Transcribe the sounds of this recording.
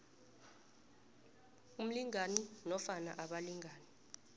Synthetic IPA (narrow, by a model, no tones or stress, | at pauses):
um̩liŋaninɔfana̰ʔaɓaliŋʱaːni